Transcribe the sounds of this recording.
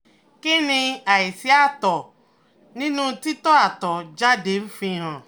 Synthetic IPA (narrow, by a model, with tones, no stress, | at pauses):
ke˦nĩ˧a˨ji˨si˦a˦t̪ɔ˨ | nĩ˦nũ˦t̪i˦t̪ɔ˦a˨t̪ɔ˨d͡ʒa˦de˨˦m̩˦fĩ˧ɦã˨